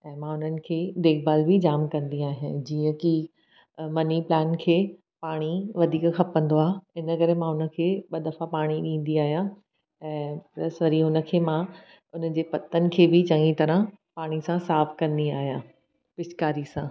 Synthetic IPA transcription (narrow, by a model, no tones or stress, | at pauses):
ɛ̃ːmãʊn̤ənɪ̆kʰeːd̪eːk̚baːlbʱid͡ʑaːmkɐ̃nd̪iaːɦijãd͡ʑiːə̃ki | mɐniplaːnkʰeː | paːɽ̃iʋɐd̪ʱiːkxʰɐpə̃n̆d̪oaːɦɪnəkɐɾemãʊnə̆kʰeːɓɐd̪ɐfapaːɽ̃iɗĩːn̆d̪iaːɦijã | ɛ̃ːpɾɐsʋɐɾiʊnə̆kʰeːmã | ʊn̤əd͡ʑeːpɐt̪ənɪ̆kʰeːbɪt͡ɕɐ̃ŋɡĩt̪ɐɾə̃ | paːɽ̃isãsaːfkɐ̃nd̪iaːɦijãː | pɪʃkaːɾisãː